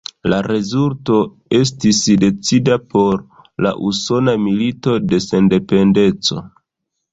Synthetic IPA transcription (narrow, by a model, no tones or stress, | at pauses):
laɾe̞zulto̞ | e̞s̬tisde̞t͡sidapo̞ɾ | la̰ʔuso̞namilito̞de̞se̞nde̞pe̞nde̞t͡so̞̰